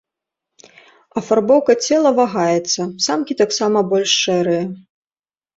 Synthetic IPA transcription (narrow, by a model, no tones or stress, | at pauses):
ɐfarbɔwkɐt͡sʲɛlˠɐvaɣajɛt̪sːɐsamkʲit̪aksamɐbɔlʲʂʂɛɾɨjɛ